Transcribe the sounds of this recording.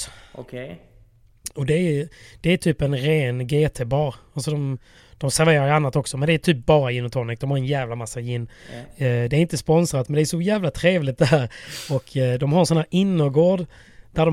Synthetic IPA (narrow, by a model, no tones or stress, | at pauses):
kʰ | ɔd̪ɛæd̪̥ɛæt̪ʰyːpɛnɾeːnɡeːt̪ʰebɑːɾalsɔd̪ɔm | d̪̥ɔmsæɾveːɾaɾanːat̪ɔksɔmɛnd̪ɛæt̪ʰyːp̚bɑːɾajɪnːɔt̪ʰɔnɪk̚d̪ɔmhaɾɛnjæːvlamasːajɪnː | d̪ɛæɾɪnt̪əspɔnsɾat̪mɛnd̪ɛæɾʂɔjæːvlat̪ʰɾeːvlɪt̪̚d̪ɛɦæːɾɔkʰd̪ɔmhaɾɛnsɔnhæːɾʔɪnːɔɡoːɖ | d̪̥æɖɔ